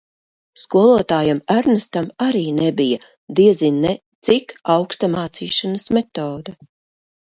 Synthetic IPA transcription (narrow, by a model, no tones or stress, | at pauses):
skuɔlˠuɔt̪aːjamaɾnast̪amaɾiːnɛbija | d̪iɛzinːɛt̪sikawkst̪amaːt̪siːʃanɐsmɛt̪ɔːd̪ɐ